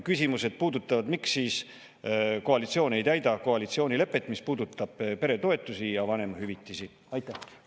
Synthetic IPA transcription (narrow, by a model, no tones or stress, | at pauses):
kysʲimuse̞d̪̥̚puːd̪ut̪ːˑɑvɑd̪miksːiːs | ko̞ɑlit̪sio̞ːne̞jt̪æjd̪ɑkoɑlit̪sio̞ːnʲile̞pːˑet̪ːˑmispuːd̪ut̪ːˑɑb̥pe̞ɾe̞t̪o̞e̞t̪ːˑusijɑvɑne̞mɑɦyvit̪ːˑisi | ɑjt̪ːˑæh